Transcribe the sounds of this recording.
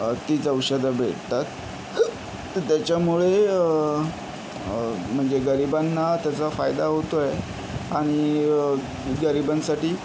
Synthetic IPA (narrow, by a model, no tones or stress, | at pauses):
t̪it͡səwɕəd̪ʱəbʱḛɽt̪at̪̚ | t̪jat͡ɕjamuɭe | m̤əɳd͡zeɡəɾibanːat̪jat͡safajd̪aɦot̪oe | aɽ̃i | ɡəɾibansaʈiː